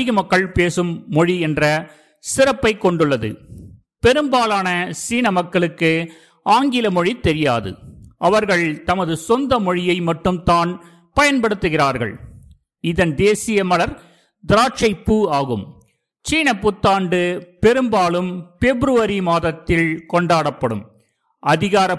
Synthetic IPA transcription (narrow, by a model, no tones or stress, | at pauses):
ɪɣɐmɐkːɐɭpeːsɯmːɔɻiɛndrɐ | sɪrɐpːɐɪkːɔɳɖɯɭːɐðɯ̰ | pɛɾɯmbaːlaːnɐsiːnɐmɐkːɐɭɯkːɯ | ʔaːŋɡɪlɐmɔɻit̪ːɛɾɪja̰ːðɯ̰ʔɐʋɐɾɣɐɭt̪ɐmɐðɯsɔnd̪ɐmɔɻɪjɐɪmɐʈːɯmt̪aːn | pɐjɐnpɐɽɯt̪ːɯɣɪraːɾɣɐ̰ɭ | ɪðɐnd̪eːsɪjɐmɐlɐɾ | d̪ɪɾaːʈ̚t͡ʃɐɪpːuaːɣɯm | t͡ʃiːnɐpːʊt̪ːaːɳɖɯpɛɾɯmbaːlɯmfɛbɾɯʋɐɾimaːðɐt̪ːɪlkɔɳɖaːɽɐpːɐɽɯ̰m | ɐðɪɣaːɾɐ